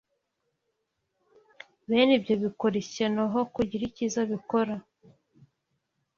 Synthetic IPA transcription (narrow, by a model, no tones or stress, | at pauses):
βeːnibjo̞βikoɾesenaɦo̞kuɟiɾicizaβiko̞ɾa